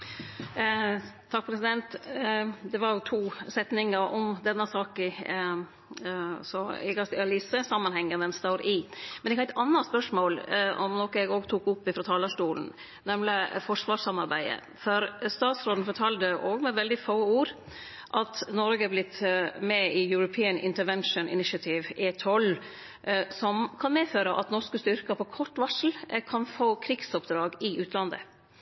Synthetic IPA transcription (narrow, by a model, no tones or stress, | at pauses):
t̪ʰɑk̚pʰɾɛsɪd̪ɛnt̪ | d̪ɛʋɑɾjʊt̪ʰuːsɛt̪nɪŋəɾɔmd̪ɛnːəsɑːkɪ | sɔɛɡɑst̪ɪɑliːsəsɑmːɑnhɛŋːəd̪ɛnst̪oːɾʔɪmɛnɛɡhɑæɪt̪ɑnːɑtspœʂmoːlɔ̰mnoːkəɛɡoːɡt̪ʰuːkʊpːɪfɾɑt̪ʰɑːləʂʈuːln̩ | nɛmləfɔʂʋɑːʂsɑmɑɾbæɪd̪ə̰ | fɔɾst̪ɑːt̪sɾoːd̪n̩fɔʈʰɑːld̪əʔoːɡmɛʋɛld̪ɪfoːuːɾ | ʔɑt̪nɔɾɡəɑblɪt̪ːmɛɪjʉɾʊpʰiːənɪ̰nt̪əɾʋɛnʂʊnɪ̰nɪʃɑt̪ʰɪʋʔet̪ʰɔl | sɔmkʰɑnmeːføːɾəʔɑ̰t̪nɔʂkəst̪ʏɾkəpʰɔkʰɔʈːʋɑʂl̩kʰɑnfoːkʰɾɪɡsɔpd̪ɾɑːɡɪʔʉːt̪ʰlɑnd̪ə̰